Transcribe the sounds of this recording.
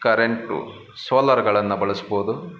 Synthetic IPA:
kɐɾeɳʈṵ | soːlɐɾɡɐɭɐnːɐbɐɭusboːd̪u

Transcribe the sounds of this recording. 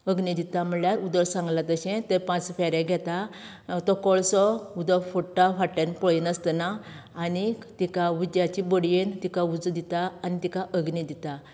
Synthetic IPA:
əɡnid̪it̪am̤əɭjaɾud̪əɾsãŋɡlat̪əɕẽt̪epãt͡sfaɾẽɡʱɛt̪a | t̪ɔkɔɭsɔud̪əfɔʈːafaʈːənpɔɭinəst̪naːnit̪ikaʋud̪jat͡ɕibəɽjent̪ikaud͡zd̪it̪aːnit̪ikaʔəɡnid̪it̪a

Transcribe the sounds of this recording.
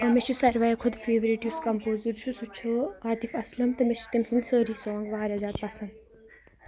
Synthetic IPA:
ɐmet͡ʃʰusɐɾʋɐjkʰʊd̪feːʋɐɾiʈjuskɐmpoːzuɾt͡ʃʰusut͡ʃʰoaːt̪ifɐslɐmt̪ɐmet͡ʃʰt̪imsɐnsəːɾiːsɔːŋɡʋaːɾɐzaːd̪̚pɐsɐnd̪

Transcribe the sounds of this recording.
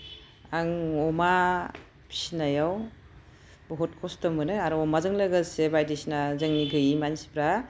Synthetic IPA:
aŋɔma | pʰi̥sinajaw | bɔɦɔt̚kʰɔstɔmɯnɯaɾɔɔmazɯŋlɯɡasebajdisinazɯŋniɡɯjimansi̥bɾa

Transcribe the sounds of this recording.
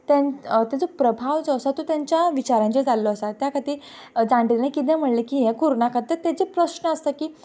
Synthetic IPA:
t̪at̪jat͡sopɾəbʱaʋd͡zɔəsat̪ot̪jaɲt͡ɕjaʋit͡ɕaɾãɲt͡ɕed͡zalːɔəsat̪jakʰət̪iː | d͡zãɳʈinakit̪̬ẽm̤əɽlekiːɦẽkuɾnakat̪əɾt̪jat͡ɕepɾəɕɳəəst̪əkiː

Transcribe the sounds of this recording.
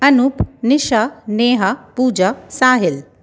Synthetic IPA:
ɐnupnɪʃaneːɦapuːd͡ʑasaːɦɪl

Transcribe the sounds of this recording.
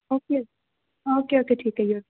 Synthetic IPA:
oːkeo | oːkeoːkeʈʰiːkɦɛɦioː

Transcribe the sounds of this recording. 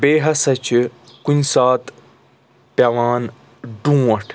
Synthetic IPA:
beːɦɐsɐt͡ɕʰikunʲsaːt̪ | pjɐʋaːn | ɖũːwɐʈʰ

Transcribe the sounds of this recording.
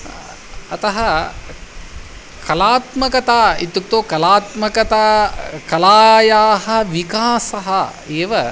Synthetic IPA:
ɐt̪ɐɦɐ | kɐlaːt̪mɐkɐt̪aːit̪juk̚t̪oːkɐlaːt̪mɐkɐt̪aːkɐlaːjaːhɐʋikaːsɐɦɐ | eːʋɐ

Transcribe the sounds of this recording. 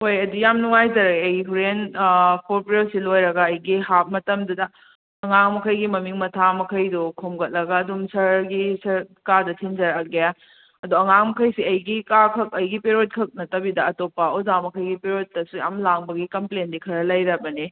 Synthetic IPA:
hojɐdujamnuŋajd͡ʒɐɾɐɐjɦuɾenkʰoɾpɾelsilojɾɐɡɐːjɡiɦap̚mɐtɐmdɐdɐː | ŋaŋmɐkʰɐjɡimɐmiŋmɐtʰamɐkʰɐjdukʰomɡɐt̚lɐɡɐːdumsɐɾɡisɐɾkadɐtʰind͡ʒɐɾɐk̚ːeja | ɐdoɐŋaŋmɐkʰɐjsiɐjɡikakʰɐk̚ɐjɡipeɾot̚kʰɐk̚nɐtɐbidɐɐtopːɐozamɐkʰɐjɡipeɾot̚ːɐsuja̰mlaŋbɐɡikɐmplendikʰɐɾɐlɐjɾɐbɐni

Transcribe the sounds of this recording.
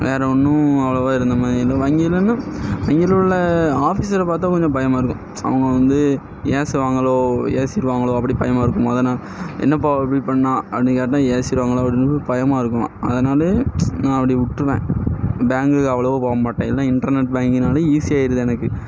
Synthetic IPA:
ʋeːɾɛɔnːʊ̃ɐʋɐɭɐʋoːɪɾɯnd̪ɐmaːðɾɪlɐʋɐŋɡilːɐnːaʋɐŋɡilɭːɐaːfiːs̬ɪɾɐpaːɾt̪̬ːãːkɔɲd͡ʒɐ̃pɐjɐmaːɪɾɯkːʊ̰̃ | ɐ̰ʋɐŋɡɐʋɐnd̪ɯ | jeːsʋaːŋɡɐɭoːjḛːsɪɾɯʋaːŋɡɐɭoːɐp̬ːɐɽipɐjɐmaːɪɾɯkːɯmːɐðɐnaːl | ɛ̰nːɐp̬oːɪpːɐɽipɐɳːãːɐpːɽĩkeːʈːãːjeːsɪɾɯʋaːŋɡɐɭoːɐpːɐɽɪnːɯpɐjɐmaːɪɾɯkːʊ̃ɐ̰ðɐnaːlɐnãːɐpːɐɽiʊʈːɾɯʋḛ̃ːbaːŋɡɯkːɐʋɐɭɐʋopoːɐmaːʈːẽːɛlːãːɪɳʈɐɾnɛʈ̚baːŋɡɪnaːlɐiːsɪjaːɪɾɯðɯɛnɐkːɯ

